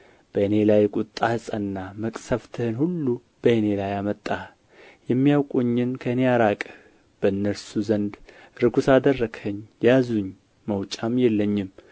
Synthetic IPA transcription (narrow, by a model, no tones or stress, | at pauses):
b̥əene̞lajkʼut̪ʼːahɨsʼənːaməkʼsəft̪ʰɨhɨnhulːu | b̥əene̞lajamət̪ʼːa | jɛmːijawkʼuɲːɪnkʰəɨnejaɾakʼ | b̥əɨnːəsuzənd̪ | ɾɨɡusad̪ərːəɡʰəɲːjazuɲ | məwt͡ʃʼamjɛlːəɲːɪm